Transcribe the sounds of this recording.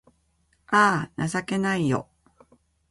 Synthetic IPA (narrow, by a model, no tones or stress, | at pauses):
aːnʔasake̞naijo̰